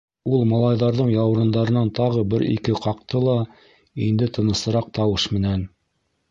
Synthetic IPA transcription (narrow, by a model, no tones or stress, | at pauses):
ulˠmɑlˠɑjðɑɾðɤɴjɑwɾɤ̆nd̪ɑɾɤ̆nɑnt̪ɑʁɤbɘɾḭkɘqɑq̚t̪ɤlˠɑ | ind̪ɘt̪ʰɤ̆nɤ̆sɤ̆ɾɑq̚t̪ɑwɤʃmɘ̆næn